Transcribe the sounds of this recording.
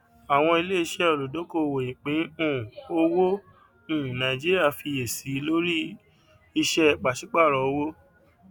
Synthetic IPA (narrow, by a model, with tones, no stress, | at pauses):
a˨w̃ɔ̃˧i˧le˦i˧ʃɛ˦o˨lo˨do˨˦ko˦˨wo˨ĩ˨k͡pe˨˦ũ˦˨o˧wo˦ | ũ˨nã˨ĩ˨d͡ʒi˦ɾi˦a˦˨fi˧e˨si˨˦lo˦ɾi˦ | i˧ʃɛ˦k͡pa˨ʃi˨˦k͡pa˦˨ɾɔ˨o˧˦wo˦